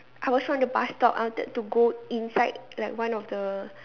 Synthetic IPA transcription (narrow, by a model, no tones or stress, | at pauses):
ʔajwɔswɔ̃ndəbastɔp̚a̰wɔ̃tə̰d̚tuɡoĩnsaɪd̚laɪkwãnɔfdə